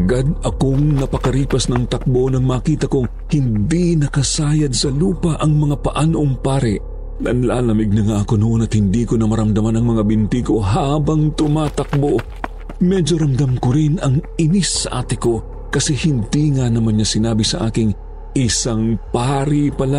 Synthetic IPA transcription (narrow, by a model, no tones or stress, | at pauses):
ɐɡad̪̚ɐkoŋnɐpɐkɐɾiːpɐsnɐŋt̪ɐk̚bo̞nɐŋmaːkiːt̪ɐkoŋ | hɪnd̪inɐkɐsaːjɐd̪sɐluːpɐʔɐŋmɐŋapɐʔaːnoʔoŋpaːɾɪʔ | nɐnla̰ːlɐmɪɡ̚nɐŋaʔɐkonʊʔonɐt̪̚hɪnd̪iːkonɐmɐɾɐmd̪ɐmanɐŋmɐŋabɪnt̪iko̞ɦaːbɐŋt̪ʊmaːt̪ɐk̚bo̞ | mɛd͡ʒoɾɐmd̪ɐmkoɾɪnɐŋɪnisːɐ̰ʔaːt̪ɪko̞ | kɐsɛhɪnd̪iːŋanɐmanɲasɪnaːbisɐʔaːkɪŋ | ʔɪsaŋpaːɾipɐla